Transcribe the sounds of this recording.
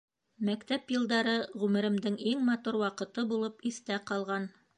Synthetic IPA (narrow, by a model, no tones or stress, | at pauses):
mækt̪æpjɤ̆lˠd̪ɑɾɤʁʉmɘ̆ɾɘ̆md̪ɘŋiŋmɑt̪uɾwɑqɤ̆t̪ɤbulˠɤpiθt̪æqɑlˠʁɑn